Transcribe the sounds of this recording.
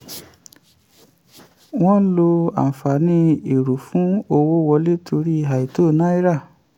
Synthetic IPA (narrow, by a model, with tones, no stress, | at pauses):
w̃ɔ̃˦lo˧a̰˨fa˨nĩ˧i˨ɾu˨fũ˨˦o˧wo˦wɔ˧le˦tʰo˧ɾi˦˨ɦa˨i˨to˦˨nã˦i˦ɾa˦˨